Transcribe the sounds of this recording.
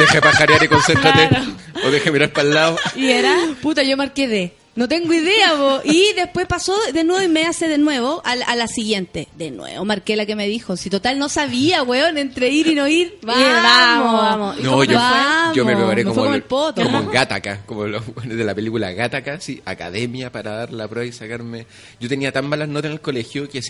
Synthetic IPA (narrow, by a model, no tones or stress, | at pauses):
d̪exepaxaɾjaɾikonsent̪ɾat̪e | oðexemiɾaɾpalːaoieɾaput̪aʝomaɾkeðe | not̪e̞ŋɡoiðe̞apoʔiðe̞hpwe̞spasoðenweβoimeaseðenwe̞βoʔalalasiɣje̞nt̪e̞ðenwḛβomaɾkelakeme̞ðixosit̪ot̪alnosaβiaweonent̪ɾeiɾinoiɾβaamomonooamomepɾepaɾekmefwekomoelpot̪okomoɣat̪akakomoloɣenezðelapelikula̰ɣat̪akasia̰ka̰ðemjapaɾaðaɾlapɾeβaisakaɾme | ɟ͡ʝot̪eniat̪ammalasnot̪aenelko̞lexjokes